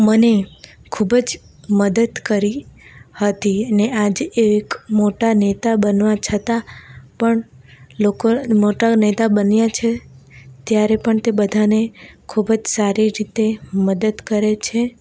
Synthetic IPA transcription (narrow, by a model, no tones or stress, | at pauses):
mənekʰubd͡ʒ | məd̪əd̪kəɾihət̪iənead͡ʒeekmoʈanet̪abənʋat͡ʃʰət̪apəɳlokomoʈanet̪abənjat͡ʃʰet̪jaɾepəɳt̪ebəd̪ʱanekʰubd͡ʒsaɾiɾit̪eməd̪əd̪kəɾet͡ʃʰe